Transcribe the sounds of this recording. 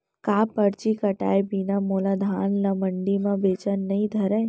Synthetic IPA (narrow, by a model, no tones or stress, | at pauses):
kaːpəɾt͡ʃikɐʈa̰ːjbiːnamoːlad̪ʱaːnlaməɳɖimãbeːt͡ʃənːɐĩd̪ʱɐɾə